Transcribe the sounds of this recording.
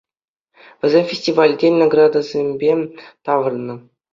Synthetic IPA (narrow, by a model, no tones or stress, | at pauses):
ʋʲɘ̆zʲemʲfʲesʲtʲivɑlʲdʲenaɡrɑd̪azʲemʲbʲet̪ɑʋɤ̆rnːɤ̆